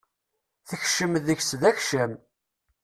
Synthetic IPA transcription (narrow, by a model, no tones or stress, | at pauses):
θəçʃəmðəçsðæçʃəm